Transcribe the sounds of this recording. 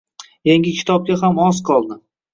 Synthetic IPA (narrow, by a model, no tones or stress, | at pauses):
jaŋɡʲɪkʲʰɪ̥t̪ʰɒb̚ɡʲaɦamɒzqʰɒlˠd̪ɪ